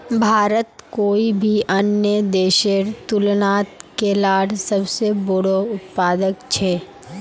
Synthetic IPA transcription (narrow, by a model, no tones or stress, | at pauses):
bʱaːɾət̪koːibʱiʔɐnjəd̪eːʃeɾt̪ʊlnaːt̪kelaːɽsɐbsebʊɽoʊt̪paːd̪əkt͡ʃʰɛː